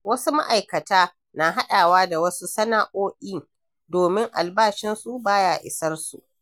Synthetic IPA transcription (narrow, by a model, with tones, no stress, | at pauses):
wɐ˦su˦ma̰˦ʔa˨jkɐ˨taː˦ | na˨ɦa˦ɗaː˨waː˦da˨wɐ˦su˦sɐ˦naː˨ʔoː˦ʔʲiː˦ | doː˨mɪ˦ŋʔa˨lbaː˦ʃɪ˦nsu˦baː˦jaː˨ʔɪ̰˨sɐ˦rsu˨ʔ